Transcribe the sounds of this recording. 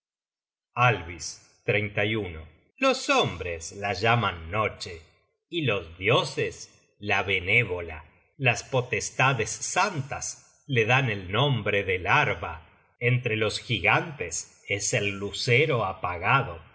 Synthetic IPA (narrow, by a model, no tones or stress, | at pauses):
alβis | t̪ɾejnt̪ajuno̰ | losombɾeslaʒamanːot͡ʃe | ilo̞zðjo̞ses | laβeneβola | laspot̪est̪aðesːant̪as | leðanelnõmbɾeðelaɾβa | ent̪ɾelo̞sxiɣant̪es | eselːuseɾoapaɣaðo